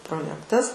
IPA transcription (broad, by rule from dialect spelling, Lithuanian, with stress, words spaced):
proːˈjæːktɐs